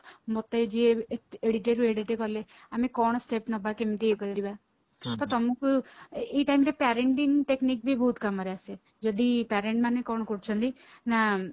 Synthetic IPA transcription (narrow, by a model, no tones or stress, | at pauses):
mot̪ed͡ʒieeɽiʈəɾueɽiʈekɔle | amekɔɳ̃sʈepnɔbakemt̪iekɔɾd̪iba | t̪ɔt̪ɔmukueʈaimɾepɛɾeɳʈinʈeknik̚bʱibʱɔɦːt̪kamɔɾease | d͡ʒɔd̪ipɛɾẽɳʈmanekɔɳ̃kuʈt͡ʃʰɔnd̪i | na